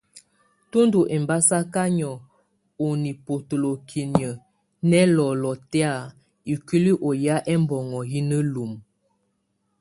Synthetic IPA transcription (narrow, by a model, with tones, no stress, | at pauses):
tu˦ndu˨ʔɛ˨m˨ba˦sa˦ka˦ɲɔ˨ | o˨ni˨po˨to˨lo˨kʰi˨ni˨ə˨ | nɛ˦lɔ˨lɔ˨tɛ˦a˦˨ | i˨ki˦li˦ʔo˨ja˦ʔɛ˦mbɔ˨ŋɔ˨ji˦nə˦lu˨m